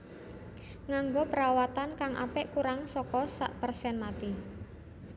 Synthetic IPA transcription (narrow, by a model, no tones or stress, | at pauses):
ŋaŋɡopəɾawat̪ankaŋʔa̰pɛʔkuɾaŋsɔkɔsa̰ʔpərsɛnmat̪i